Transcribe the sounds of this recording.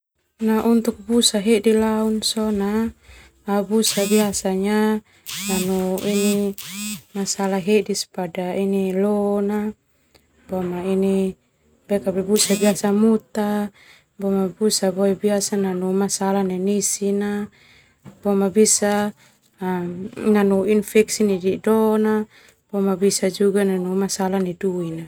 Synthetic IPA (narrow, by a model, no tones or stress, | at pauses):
naʔunt̪uk̚busaɦedilaunsɔnaː | busabiasaɲa | nanuini | masalaɦedispadainilɔna | bɔmaini | bɛkabɛbusabiasamut̪a | bɔmabusabɔɛbiasananumasalaninisina | bɔmabisa | nanuinfɛksinididɔna | b̥ɔmabisad͡ʒuɡananumasalaniduina